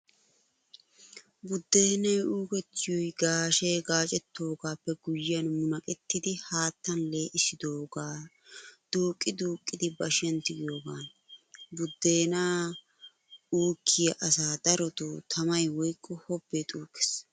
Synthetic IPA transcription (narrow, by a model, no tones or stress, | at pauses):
bʊd̪ːe̞ːnɐjuːkɛt̪ːɪjɔjɡaːʃeːɡaːt͡ʃʼɛt̪ːo̞ːɡaːpːɛɡʊjːɪjɐnmʊnɐkʼɛt̪ːɪd̪ɪhaːt̪ːɐnle̞ːʔɪsɪd̪oːɡaː | d̪̥uːkʼːɪd̪uːkʼːɪd̪ɪbɐʃɛnt̪ːɪɡɪjo̞ːɡaːn | bʊd̪ːe̞ːnaː | uːkʰːɪjɐʔɐsaːd̪̥ɐɾɔt̪ut̪ʰɐmɐjwɔjkʼːɔhɔbːet̪ʼuːkʼːɛ̥s